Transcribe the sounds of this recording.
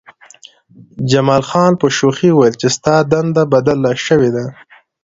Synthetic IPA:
d͡ʒamɑːlxɑnpəʃoxiwajəlt͡ʃest̪ɑd̪and̪abad̪alːaʃəwed̪a

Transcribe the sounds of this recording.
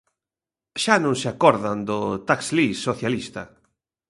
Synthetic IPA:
ʃanõŋseakɔɾðɐnd̪ʊt̪akslisoθjalist̪ɐ̰

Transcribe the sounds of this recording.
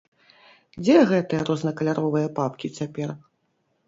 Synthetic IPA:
d͡zʲɛɣɛt̪ɨjɐɾɔznɐkɐlʲaɾɔvɨjɐpapkʲit͡sʲapʲɛr

